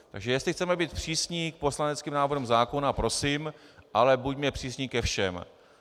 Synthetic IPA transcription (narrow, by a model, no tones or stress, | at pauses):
t̪aɡʒɛjɛst̪lɪxt͡sɛmɛbiːt̪̚pr̝̥iːsɲiːk̚po̞slanɛt͡skiːmnaːvrumzaːko̞napɾo̞siːmʔalɛbucmɲɛpr̝̥iːsɲiːkɛfʃɛm